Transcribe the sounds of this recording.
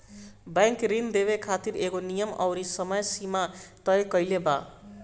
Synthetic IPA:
baŋkɾind̪eβekʰat̪iɾeɡonijʌmʌ̰wɾisʌmʌjsimat̪ʌjkʌjleba

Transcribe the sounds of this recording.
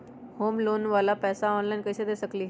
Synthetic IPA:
hoːmloːnʋaːlapɛːsaɔːnlainkəɪsed̪eːsəkliːɦ

